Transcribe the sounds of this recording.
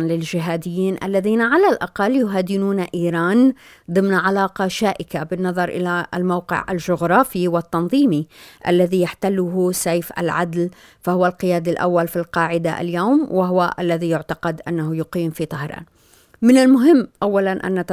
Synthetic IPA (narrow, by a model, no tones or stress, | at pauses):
nlɪld͡ʒɪɦaːd̪ɪjːiːnʔa̰lːaðiːnaʕalalʔɑqɑlːjʊɦaːd̪ɪnuːnaʔiːɾɑːn | d̪ˤɨmnʕalaːqɑʃaːʔɪkabɪnːɑðˤɑɾˤʔɪ̰lalmawqɪ̰ʕʔa̰lʒʊɣɾˤɑːfiwɪt̪ːɑnðˤiːmiʔa̰lːaðijaħt̪alːʊɦʊsejfʔa̰lʕad̪l | fahʊwalqɪjaːd̪alʔa̰wːalfilqɑːʕɪd̪a̰ʔa̰ljawmwaɦʊwaʔalːaðijʊʕt̪aqɑd̪ʔa̰nːaɦʊjʊqiːmfit̪ˤɑhɾˤɑ̰ːn | mɪnalmʊɦɪmːʔawːalanʔa̰nːat̪